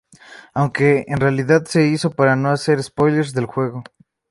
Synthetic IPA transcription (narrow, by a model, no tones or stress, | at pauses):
awŋke̞ːnrealiðaðse̞iso̞paɾano̞ase̞ɾespo̞jle̞ɾzðe̞lxwe̞ɣ̞o̞